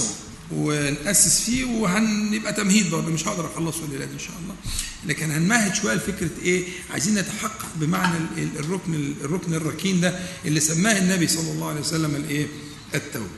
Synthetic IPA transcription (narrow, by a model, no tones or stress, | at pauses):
wenʔæsːɪsfiːwɦænjebʔæt̪æmhiːd̪̚bɑɾˤd̪ˤomeʃhɑʔd̪ɑɾʔɑxɑlˤːɑsˤwelʔelæːd̪enʃæ̰ːʔɑlˤːɑːlæːkenhænmæhɪd̪ʃowæjːælfekɾæʔeː | ʕa̰jziːnːet̪ḁħɑqːɑʔ̚bɪmaʕnærˤːoknerˤːoknerˤːɑkiːnd̪æʔelːisæmːæːhɪnːæbisˤɑlːɑlˤːɑːwʕalejwæsælːæmelʔeː | ʔɪt̪ːæw